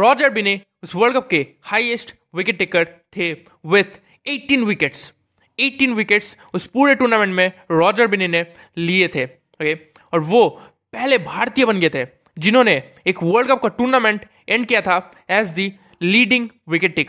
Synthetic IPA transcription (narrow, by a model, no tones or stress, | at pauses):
ɾɔːd͡ʒəɾbɪne | ʊsʋəɾlɖkɐp̚ke | haːiesʈ | ʋɪkɪʈ̚ʈeːkəɾt̪ʰe | ʋɪt̪ʰ | eːʈĩːnʋɪkeʈs | eːʈiːnʋɪkeʈs | ʊspuːɾeʈuːɾnamẽɳʈmẽɾɔːd͡ʒəɾbɪnene | liet̪ʰe | ɦoke | ɔːɾʋo | pɛɦlebʱaːɾt̪ijəbɐnɡəet̪ʰeː | d͡ʒɪnɦõːne | eːkʋəɾɖkɐp̚kaʈuːɾnamẽɳʈ | ɛ̃ɳɖkijat̪ʰa | ɛːzd̪i | liːɖɪ̃ŋɡ | ʋɪkɪʈ̚ʈeːkəɾ